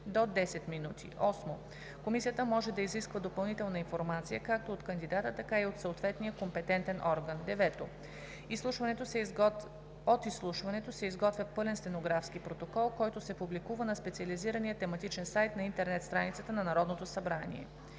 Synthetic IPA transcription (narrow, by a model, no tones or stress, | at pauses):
d̪od̪ɛsɛt̪minut̪ʰḭʔɔsmo | komisijət̪əmɔʒɛd̪ɐiziskvəd̪opɐlˠnit̪ɛlˠnɐinfoɾmat̪sijəkak̚t̪oot̪kɐnd̪id̪at̪ət̪ɐkaiot̪soot̪vɛt̪nijəkompɛt̪ɛnt̪ɛnʔɔɾɡənd̪ɛvɛt̪o | islˠuʃvɐnɛt̪o | ot̪islˠuʃvɐnɛt̪osɛizɡɔt̪vjɐpɤlɛnst̪ɛnoɡɾafskipɾot̪okɔlˠkɔjt̪osɛpublikuvənɐspɛt̪siɐliziɾənijət̪ɛmɐt̪it͡ʃɛnsajt̪nɐint̪ɛɾnɛt̪st̪ɾanit̪sət̪ənɐnɐɾɔd̪not̪osɐbɾanḭɛ̰